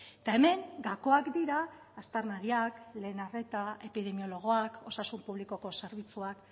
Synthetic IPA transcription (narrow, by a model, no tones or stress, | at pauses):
t̪ae̞me̞ŋɡako̞akd̪iɾaː | st̪aɾnaɾiakle̞ːnare̞t̪ae̞piðe̞mio̞lo̞ɣ̞o̞ako̞sasumpuβliko̞ko̞se̞ɾβ̞it͡suak